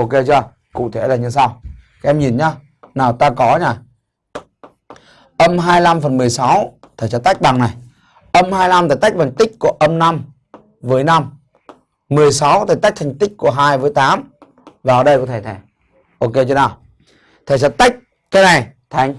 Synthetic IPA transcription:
ʔo˧ke˧t͡ɕɔ˧ | kṵ˧˨t̪ʰe˧˩laː˨˩ɲɨ˧sa˧wka˨˦ʔɛ˧mɲi˨˩nɲaː˧ | naː˨˩wt̪aː˧kɔ˨˦ɲaː˧˩ | ʔə˧mɦaː˧jla˧mfə˨˩nmɨ˨˩əjsa˨˦w | t̪ʰə˨˩t͡ɕɔ˧˩t̪a˦˥jk̚ɓa˨˩ŋna˨˩j | ʔə˧mɦaː˧jla˧mt̪aː˧˩jt̪a˦˥k̚ɓa˨˩ŋt̪ï˦˥k̟̚ku˧˩əʔə˧mna˧m | vəː˨˦jna˧mː | ɨ˨˩əjsa˨˦wt̪ʰaː˨˧˩jt̪a˦˥k̚t̪ʰa˨˩ŋ̟t̪ï˦˥k̟̚ku˧˩əɦaː˧jvəː˨˦jt̪aː˨˦m | vaː˨˩ʔəː˨˩ɗə˧jkɔ˧˨˩t̪ʰe˧˩t̪ʰe˧˩ | ʔo˧ke˧t͡ɕɔ˧naː˨˩w | t̪ʰə˨˩sə˨˧˦tt̪a˦˥k̚ | kaː˨˦jna˨˩jt̪ʰa˨˦ŋ̟

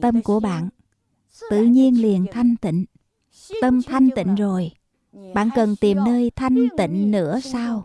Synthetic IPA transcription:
t̪ə˧mku˧˩əɓa̰ː˧˨n | t̪ɨ̰˧˨ɲi˧ənli˨˩ənt̪ʰa˧jŋ̟t̪ḭ̈˧˨ŋ̟ | t̪ə˧mt̪ʰa˧jŋ̟t̪ḭ̈˧˨ŋ̟zo˨˩j | ɓa̰ː˧˨nkə˨˩nt̪i˨˩mnəː˧jt̪ʰa˧jŋ̟t̪ḭ̈˧˨ŋ̟nɨ̰˧˥əsaː˧w

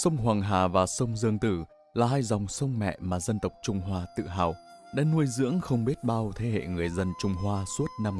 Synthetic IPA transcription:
sə˧wŋ͡mɦwaː˨˩ŋɦaː˨˩vaː˨˩sə˧wŋ͡mzɨ˧əŋt̪ɨ˧˩ | laː˨˩ɦaː˧jzɔ˨˩wŋ͡msə˧wŋ͡mmɛ̰˧˨maː˨˩zə˧nt̪ə˨˩wk͡p̚t͡ɕʊ˧ŋ͡mɦwaː˧t̪ɨ̰˧˨ɦaː˨˩w | ɗa̰ː˧˥nu˧əjzɨ̰˧˥əŋxə˧wŋ͡mɓi˦˥ət̚ɓaː˧wt̪ʰe˨˦hḛ˧˨ŋɨ˨˩əjzə˧nt͡ɕʊ˧ŋ͡mɦwaː˧su˦˥ət̚na˧m

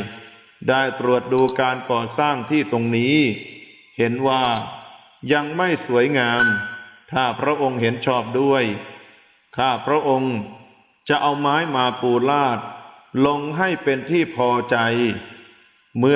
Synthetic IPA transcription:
daː˥˩jt̪ɾu˨˩ət̪̚duː˧kaː˧nkɔː˨˩saː˥˩ŋt̪ʰiː˥˩t̪o˧ŋniː˦˥ | he˩˦nwaː˥˩ | ja˧ŋma˥˩jsu˩˦əjŋaː˧mt̪ʰaː˥˩pʰɾa˦˥ʔo˧ŋɦe˩˦nt͡ɕʰɔː˥˩p̚du˥˩əj | kʰaː˥˩pʰɾa˦˥ʔo˧ŋ | t͡ɕa˨˩ʔa˧wmaː˦˥jmaː˧puː˧laː˥˩t̪̚lo˧ŋɦa˥˩jpe˧nt̪ʰiː˥˩pʰɔː˧t͡ɕa˧j | mɯ˧

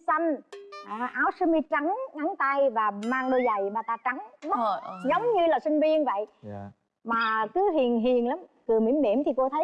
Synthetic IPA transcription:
sa˧nʔaː˨˩ʔaː˨˦wsɨ˨˧˦mi˧t͡ɕa˨˦ŋŋa˨˦ŋt̪a˧jvaː˨˩maː˧ŋɗo˧za˨˩jɓaː˧˩t̪aː˧t͡ɕa˨˦ŋmə˦zə˨˦wŋ͡mɲɨ˧laː˨˩sï˧ŋ̟vi˧ənvə̰˧˨jʔ | maː˨˩kɨ˨˦ɦi˨˩ənɦi˨˩ənlaː˨˦mkɨ˨˩əmḭ˧˩˥mːḭ˧˩əmt̪ʰi˨˩ko˧t̪ʰə˨˦

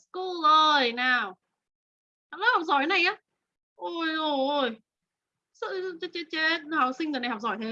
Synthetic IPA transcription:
sku˧lʔəː˨˩jnaː˨˩w | ha̰˧˥laː˦˥hɔ˨˩k͡p̚zɔ̰˧˩˦jna˨˩jʔaː˨˦ | ʔo˧˩jo˨˧˩j | sɨ̰˧˥˧t͡ɕe˨˦t͡ɕe˧˥˦t̚haː˨˩wsï˧ŋ̟əː˨n˨˩ha˨˩k͡p̚zɔ̰˧˩˦jt̪ʰe˨˦

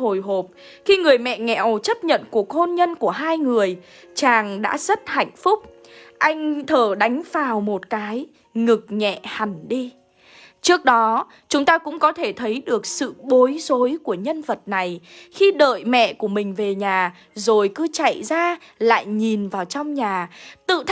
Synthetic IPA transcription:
ho˨˩jɦo˨˩p̚ | xi˧ŋɨ˨˩əjmɛ̰˧˨ŋɛ̰˧˨ʔo˨˩t͡ɕə˦˥p̚ɲə̰˧˨nku˨˩ək̚ho˧nɲə˧nku˧˩əɦaː˧jŋɨ˨˩əj | t͡ɕaː˨˩ŋɗa̰ː˧˥z̥ə˦˥t̚ha̰˧˨jŋ̟fʊ˦˥k͡p̚ | ʔa˧jŋ̟t̪ʰəː˧˩ɗa˨˦jŋ̟faː˨˩wmo˨˩t̚kaː˨˦j | ŋɨ˨˩k̚ɲɛ̰˧˨ha˨˩ŋɗi˧ | t͡ɕɨ˦˥ək̚ɗɔ˨˦ | t͡ɕʊ˨˦ŋ͡mt̪aː˧kʊ̰˧˥ŋ͡mkɔ˨˦t̪ʰe˧˩t̪ʰə˨˦jɗɨ˨˩ək̚sɨ̰˧˨ɓo˨˦jzo˨˦jku˧˩əɲə˧nvə˨˩t̚na˨˩jxi˧ɗə̰ː˧˨jmɛ̰˧˨ku˧˩əmï˨˩ŋ̟ve˨˩ɲaː˨˩ | zo˨˩jkɨ˨˦t͡ɕa̰˧˨jzaː˧ | la̰ː˧˨jɲi˨˩nvaː˨˩wt͡ɕɔ˧wŋ͡mɲaː˨˩t̪ɨ̰˧˨t̪ʰ

